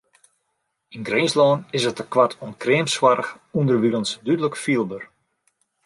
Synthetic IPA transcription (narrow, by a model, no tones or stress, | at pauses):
inɡreːslɔːnɪsətəkwatʰɔnkreːmswarəx | undərʋilənsdydələkfiəlˠbər